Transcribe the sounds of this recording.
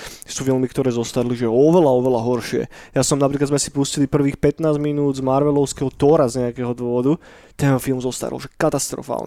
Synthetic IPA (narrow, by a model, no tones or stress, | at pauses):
suːfilmikt̪ɔɾɛːzɔst̪aɾiliʒɛɔʋɛlaɔʋɛlaɦɔɾʃɪɛ̰jasɔmnapɾiːkadzmɛsi̥puscilipr̩ʋiːxpɛt̪naːzminuːd̪zmaɾʋɛlɔʊskɛɦɔt̪ɔːɾazɲɛakɛːɦɔd̪ʋɔʋɔd̪u | t̪ɛnɦɔfilmzɔst̪a̰ɾɔ̰lʒɛkat̪ast̪ɾɔ̰fa̰ːlɲɛ